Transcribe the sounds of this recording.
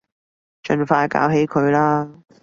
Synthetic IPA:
t͡ʃɵ˧nfaː˧jka̰ː˨˥wɦe˨˥jkʰɵ˨˧ɥlaː˥

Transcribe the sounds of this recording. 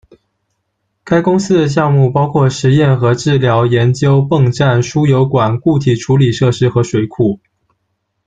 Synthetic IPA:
ka˥ɪkʊ˥ŋsɹ̩˥d̪ə˨ɕ̬jɑ˥˧ŋmu˥˩pɑ˥ʊkʰwɔ˥˩ʂɻ̩˧˥jɛ˥˩nxɤ˧˥ʈ͡ʂɻ̩˥˩ljɑ˧˥ʊjɛ˧˥nt͡ɕjo˥ʊpɤ˥˧ŋʈ͡ʂa˥˩nʂu˥jo˧˥ʊkwa˨˩nku˥˩t̪ʰi˨˩ʈ͡ʂʰu˧˥li˨˩ʂɤ˥˧ʂɻ̩˥xɤ˧˥ʂwe˧˩ɪkʰu˥˩

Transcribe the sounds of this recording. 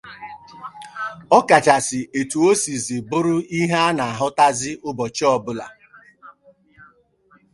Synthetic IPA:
ɔ˦ka˨t͡ʃa˨sɪ˨e˨tu˨o˦si˨zi˨bʊ˦ɾʊ˦i˦ɦa˦a˦na˨a˨ɦʊ˦ta˦zɪ˦ʔʊ˦bɔ˨t͡ʃi˦ɔ˦˨bʊ˦la̰˨

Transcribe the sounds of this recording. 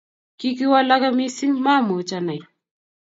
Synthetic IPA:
ki˦ki˦wa˦la˦ka˦mi˦si˦ŋma˦˨mo˨˦t͡ʃa˦na˨j

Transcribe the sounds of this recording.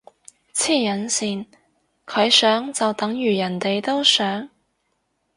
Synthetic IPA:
t͡sʰiː˥˩jɐ˨˥nsiː˨n | kʰɵ˨˧ɥsœː˨˥ŋt͡sɐ˨wt̪ɐ˨˥ŋjyː˨˩jɐ˨˩nt̪e˨jt̪o˥wsœː˨˥ŋ

